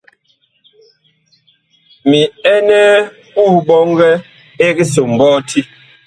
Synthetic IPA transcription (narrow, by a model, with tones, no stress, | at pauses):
mi˨ɛ˦nɛ˦ | ku˦˨bɔ˦ŋ˦ɡɛ˦ | e˦ɣi˦so˨m̩˨bɔː˦tʰi˦